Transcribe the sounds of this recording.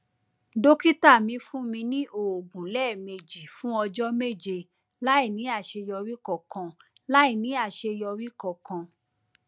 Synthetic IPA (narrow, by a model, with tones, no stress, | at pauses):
do˦ki˦ta˦˨mĩ˧˦fũ˦mĩ˧nĩ˦ʔo˨o˨ɡ͡bũ˨lɛ˦˨me˧d͡ʒi˨fũ˦ɔ˧d͡ʒɔ˦me˦˨d͡ʒe˧ | la˦i˦˨nĩ˨˦a˦˨ʃe˧jɔ˧ɾi˦kɔ˦˨kã˧la˦i˦˨nĩ˨˦a˦˨ʃe˧jɔ˧ɾi˦kɔ˨kã˧